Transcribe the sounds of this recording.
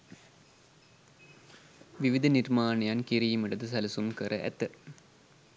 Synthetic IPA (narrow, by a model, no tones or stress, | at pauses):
ʋiʋid̪ʱɐnirmaːnɐjankiɾijimɐʈɐd̪ɐs̬ɐlɐsumkəɾəʔæ̰t̪ːə